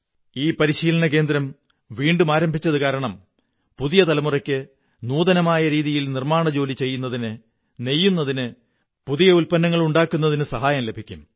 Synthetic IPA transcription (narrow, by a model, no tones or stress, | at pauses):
iːpɐɾiɕiːlɐɳɐk̬e̞ːnd̪ɾɐm | ʋiːɳɖumaːɾɐmbʱit͡ɕːɐðɨkaːɾɐɳɐm | puðijɐt̪ɐlɐmurɐkʲːɨ | nuːðɐnɐmaːjɐɾiːðijilnirmaːɳɐd͡ʑo̞ːlit͡ɕe̞jːunːɐðinɨ | ne̞jːunːɐðinɨ | puðijɐulpɐnːɐŋːɐɭuɳɖaːkːunːɐðinɨsɐɦaːjɐmle̞bʱikʲːum